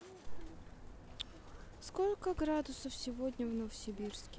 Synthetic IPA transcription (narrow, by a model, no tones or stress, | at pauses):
sko̞lʲkəɡɾad̪ʊsəfsʲɪvodʲnʲəvnəvəsʲɪbʲirskʲɪ